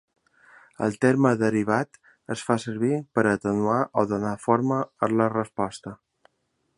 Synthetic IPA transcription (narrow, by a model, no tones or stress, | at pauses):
ə̰lˠt̪eɾməðəɾiβat̪ | əsfasəɾβipəɾət̪ənuaʔoðonafoɾməələrəspɔst̪ə